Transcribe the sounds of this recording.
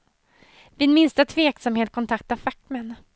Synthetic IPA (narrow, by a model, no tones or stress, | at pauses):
vɪnmɪnst̪ət̪ʰveːksamheːt̪̚kʰɔnt̪ʰakt̪afak̪̚mɛn